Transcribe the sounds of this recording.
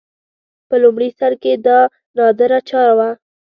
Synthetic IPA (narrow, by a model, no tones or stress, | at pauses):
pəlʊmɽisaɾked̪ɑ | nɑd̪əɾat͡ʃɑɾawa